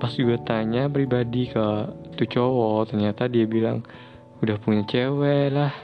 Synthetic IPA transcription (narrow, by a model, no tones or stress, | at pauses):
pasɡuat̪aɲapɾibadikət̪ut͡ʃowɔt̪ərɲat̪adiabila̰ŋ | udahpuɲat͡ʃewɛlah